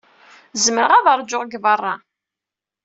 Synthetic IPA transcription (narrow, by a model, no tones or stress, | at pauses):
zməɾəʁaðəɾˤd͡ʒːoʁɡvərˤːɑ